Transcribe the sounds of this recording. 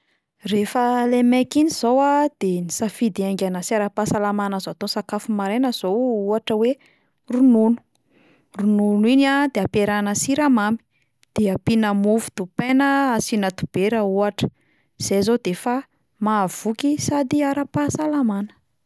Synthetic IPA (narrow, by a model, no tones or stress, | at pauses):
refəlemɛkiniz̥owad̪̥enisafid̪iaŋɡanasiaɾapasalamanəzat̪osakafumaɾenəz̥ouaʈ͡ʂəwe | rununu̥ | rununinad̪eapeɾanəsiɾamami̥ | d̪̥eapinamuvu̥d̪̥upenəsinat̪ub̥eɾauaʈ͡ʂə̥ | z̥ezod̪efa | mav̥ukisad̪iaɾapasalamanə̥